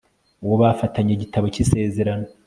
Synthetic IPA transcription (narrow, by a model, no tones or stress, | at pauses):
uwoβafataɲeɟitaβocise̞ːze̞ɾano